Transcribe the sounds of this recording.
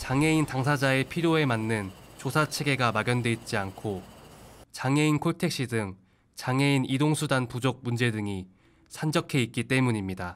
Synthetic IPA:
t͡ɕaŋe̞intaŋsʰad͡ʑae̞pʰiɾjoe̞manːɯnt͡ɕosʰat͡ɕʰe̞ɡe̞ɡamaɡjʌndwe̞it̚t͡ɕ͈iankʰo | t͡ɕaŋe̞inkʰoɭtʰe̞k̚ɕ͈idɯŋ | t͡ɕaŋe̞inidoŋsʰudanpud͡ʑok̚mund͡ʑe̞dɯŋi | sʰand͡ʑʌkʰe̞it̚k͈it͈e̞muɲimɲida

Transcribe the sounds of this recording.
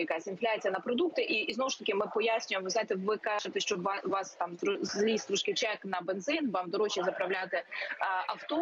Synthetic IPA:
jɐkasʲinflʲat͡sʲijɐnɐpɾɔd̪uk̚t̪ɪʔiznɔʋʊʃt̪ɐkʲɪmɪpɔjasʲnʲʊjmʋɪznajɪt̪ɛʋɪkɑʒet̪ɛʃt͡ʃɔʋɑst̪ɑmɾɔlʲist̪ɾɔʃkɪt͡ʃɛknɐbenzɪnʋɑmd̪ɔɾɔt͡ʃʲizɐpɾɐwlʲat̪eʔɐwt̪ɔ

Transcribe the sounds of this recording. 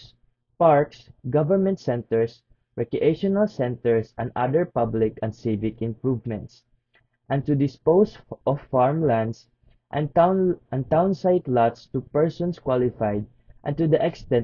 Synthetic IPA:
paɹksɡʌvəɹmɛ̃nt̪sɛ̃nt̪ɛɹs | ɹɛkɹuʔeʃɔnalsɛ̃nt̪ɛɹsʔɛ̰̃nd̪a̰d̪ɛɹpʌblɪkɛ̃nd̪sivɪkɪ̃mpɹuvmɛ̃nt̪s | ʔɛ̃nt̪ʊd̪ɪspowsʔɔfːaɹmlãnd̪s | ʔɛ̃nɛ̃nt̪ãw̃nsaɪt̪lat̪st̪upɛɹsɔ̃nskwalɪfajd̪̚ | ʔɛ̰̃nt̪ud̪ɐʔɛkst̪ɛ̃n

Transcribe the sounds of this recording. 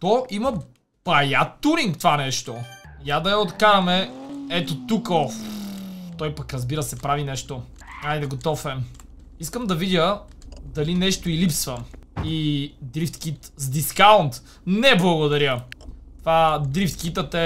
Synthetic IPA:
t̪ɔʔimɐ | pɐjat̪uɾiŋkt̪vanɛʃt̪ojad̪ɐjɐot̪kaɾɐmɛɛt̪ot̪ukɔ | t̪ɔjpɐkɾɐzbiɾəsɛpɾavinɛʃt̪o | ajd̪ɛɡot̪ɔfɛ | iskəmd̪ɐvid̪ʲəd̪ɐlinɛʃt̪oilipsvɐid̪ɾift̪k̟it̪zd̪iskawnt̪ | nɛblˠɐɡod̪ɐɾjət̪ovad̪ɾift̪kit̪ət̪ɛ

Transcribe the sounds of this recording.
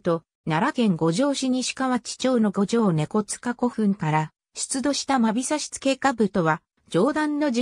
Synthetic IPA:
t̪o̞ | naɾakẽ̞ŋɡo̞ʑo̞ːɕiɲ̟iɕi̥kaβat͡ɕi̥t͡ɕo̞ːno̞ɡo̞d͡ʑo̞ːne̞ko̞t͡sɨ̥kako̞ɸɯ̟̃ŋkaɾa | ɕi̥t͡sɨd̪o̞ɕi̥t̪amabʲisaɕi̥t͡sɨ̥ke̞ːkabɯ̟t̪o̞βa | d͡ʑo̞ːd̪ãnːo̞d͡ʑ

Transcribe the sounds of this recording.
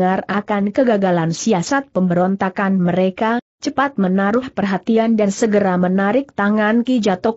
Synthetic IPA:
arakankəɡaɡalansiasat̪̚pəmbəɾɔnt̪akanməɾeka | t͡ʃəpat̪̚mənaɾʊhpərɦat̪iandansəɡəɾamənaɾɪk̚t̪aŋankid͡ʒat̪ɔ

